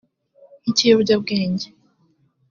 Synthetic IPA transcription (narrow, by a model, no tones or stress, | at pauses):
iciːɾuɟab̚ɡeːɲɟe